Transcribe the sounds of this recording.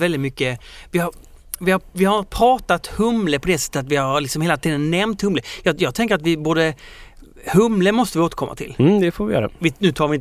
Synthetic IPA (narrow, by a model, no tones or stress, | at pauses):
vɛld̪ɪt̪mʏkːəvɪhaɾ | vɪhavɪhaɾpʰɾɑːt̪at̪hɵmləpʰɔd̪ɛsɛ̥t̪ːət̪at̪vɪhaɾlɪksɔmheːlat̪ʰiːd̪ənːɛɾmt̪hɵmləjɑjɑːɡt̪ʰɛŋkəɾat̪vɪboːd̪ə | hɵmləmɔst̪əvɪoːt̪əɾkʰɔmːa̰t̪ʰɪ̰ld̪ɛfoːvɪjœ̰ːɾa̰vɪnʉ̟ːt̪ʰɑːɾʋɪnt̪